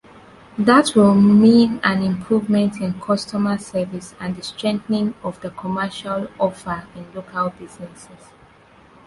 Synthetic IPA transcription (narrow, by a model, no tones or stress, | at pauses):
ðatʰwɪlˠmĩnãnɪ̃mpʰɹuvmɛ̃ntʰɪ̃nkʰɔstɔməsɛvisãndəstɹɛ̃ŋθnĩŋɔvðəkʰɔmɛʃalɔfəĩnlokʰalbiznɛsɛs